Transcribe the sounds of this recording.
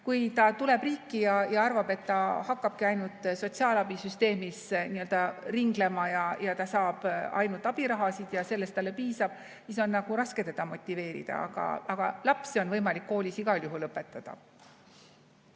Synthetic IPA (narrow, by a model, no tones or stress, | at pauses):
kujt̪ɑt̪ule̞b̥riːkːijɑjɑɑrvɑb̥e̞t̪ːɑhɑkːɑb̥̚kiɑjnult̪ˑːso̞t̪siɑːlɑb̥isyst̪e̞ːmisniø̞ld̪̥ɑriŋɡ̥le̞mɑjɑjɑt̪ɑsɑːb̥ɑ̰jnult̪ːˑɑb̥iɾɑɦɑsid̪̥jɑse̞lːe̞st̪ɑlːe̞piːsɑb̥ | siso̞nːɑɡ̥uɾɑske̞t̪ed̪ɑmo̞t̪ʲːˑive̞ːɾḭd̪̥ɑ̰ɑ̰ɡ̥ɑ̰ʔɑɡ̥ɑ̰lɑpsio̞nvɤjmɑlikːo̞ːlʲisiɡ̥ɑljuɦulɤpːˑe̞t̪ːˑɑd̪̥ɑ̰